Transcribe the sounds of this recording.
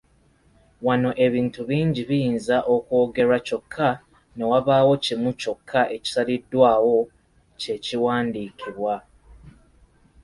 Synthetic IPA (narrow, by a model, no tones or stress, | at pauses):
wano̞ʔe̞βiːntuβiːɲɟiβijiːnzaʔo̞ko̞ːɡe̞ɾaco̞kʰːa | ne̞waβaːwo̞cimuco̞kʰːaʔe̞ci̥salidːwaːwo̞ | ce̞ciwaːndiːkʰiβwa